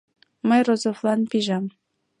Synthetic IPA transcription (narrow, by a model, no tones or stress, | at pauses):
məjrozoflˠɑnpiʒɑm